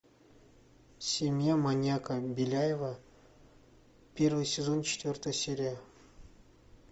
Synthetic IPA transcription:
sʲemʲjamanʲjakəbʲilʲajevə | pʲervɨjsʲezont͡ɕɪ̥t̪ʲvʲort̪əsʲeɾʲa

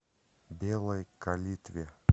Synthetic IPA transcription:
bʲelˠɐjkalʲit̪vʲe

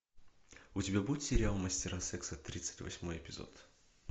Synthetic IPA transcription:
ʊtʲɪbʲabudʲɪt̪sʲɪɾʲɪalˠmɐsʲtʲɪɾasɛksət̪ɾʲit̪sɨ̥tʲvɐ̰sʲmo̞jɪpʲɪzo̰t̪

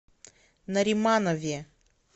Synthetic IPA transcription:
nɐɾʲimanɐvʲɛ

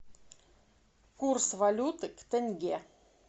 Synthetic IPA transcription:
kursvɐlʲut̪ɨkt̪ɛnʲɡʲe

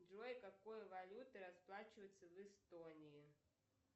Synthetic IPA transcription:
dojkakojɐvalʲut̪ɨɾasplˠat͡ɕɪvəjɨt̪sːəvɛst̪onʲii

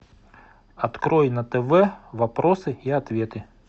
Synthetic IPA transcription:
ɐt̪kɾojnɐt̪ɛvɛvɐpɾʔosɨiɐt̪vʲet̪ɨ

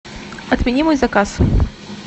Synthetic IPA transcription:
ɐt̪mʲɛnʲimɔjzɐkas

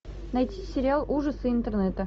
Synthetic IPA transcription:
nɐjtʲisʲɪɾʲɪalˠʔuʐəsɨɪnt̪ərnɛt̪ə

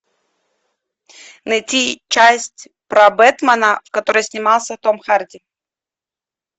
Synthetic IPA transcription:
nɐjtʲit͡ɕæsʲtʲ | pɾɐbɛt̪mɐnəfkɐt̪oɾəjsʲnʲɪmalˠsʲət̪omxardʲɪ

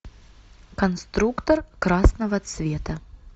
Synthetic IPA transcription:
kɐnst̪ɾukt̪ɔrkɾasnɐvɐt̪svʲet̪ɐ

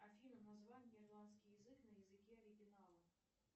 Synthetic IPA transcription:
ɐfʲilʲəmnɐzvanʲɪrlˠanskʲɪjɪzɨknəjɪzɨkʲiɐɾʲɪɡʲɪnalˠə

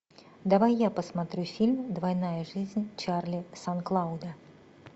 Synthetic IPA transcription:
d̪avajːapɐsmat̪ɾʲufʲilʲmd̪vajnajɐʐɨzʲnʲt͡ʂarlʲisanklˠawd̪ɐ

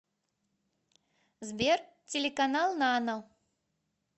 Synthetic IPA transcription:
zbʲɛr | t͡sʲelʲɛkanalˠnanɐw

